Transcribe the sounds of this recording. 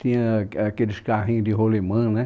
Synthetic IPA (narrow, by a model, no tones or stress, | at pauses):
t̪ĩkeɾiʃkaɦĩd̪iɦolemə̃nẽ